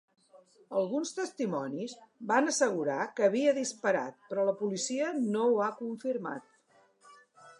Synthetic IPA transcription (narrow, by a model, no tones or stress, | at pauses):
əlˠɣunst̪əst̪imɔnizbanəsəɣ̞uɾakəβ̞iəðispəɾa̰t̪̚pɾɔləpulisiənowakuɱfiɾma̰t̪̚